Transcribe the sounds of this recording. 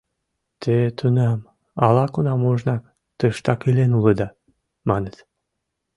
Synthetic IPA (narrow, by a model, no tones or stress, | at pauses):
t̪ʰet̪ʰunɑm | ɑlɑkunɑmoʒnɑk | t̪əʃt̪ɑkilenuləd̪ɑ | mɑnet̪